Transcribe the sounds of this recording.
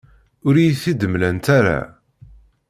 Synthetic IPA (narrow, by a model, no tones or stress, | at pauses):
ʊɾijθid̪əmlænt̪aɾa̰